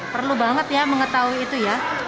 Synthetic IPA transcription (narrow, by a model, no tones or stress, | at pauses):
pərlubaŋət̪jaməŋət̪auiːt̪uja